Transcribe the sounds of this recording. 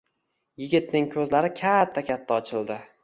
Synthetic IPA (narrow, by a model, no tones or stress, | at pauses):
jɪɡʲɪt̪̚nɪŋkʰɵzlaɾɪkʲʰat̪ʰːakʲʰat̪ʰːaɒt͡ʃʰɪld̪ɪ